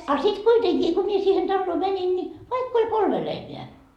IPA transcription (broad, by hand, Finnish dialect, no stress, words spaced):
ɑ sit kuiteŋkiː ko mie siːhen tɑlːoː mænin ni ʋɑikː olʲ kolme lehmeæ